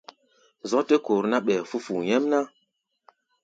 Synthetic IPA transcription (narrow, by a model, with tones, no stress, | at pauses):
zɔ˦te˦ko˨ɾna˦ɓɛ˨fu˦fu˨ɲɛ˦mna˦